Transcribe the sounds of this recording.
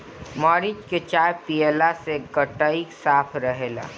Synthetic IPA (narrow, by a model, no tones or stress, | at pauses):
mɔːɾid͡ʒket͡ʃaːjpieːlaseɡəʈəiksaːpʰɾəɦeːla̰ː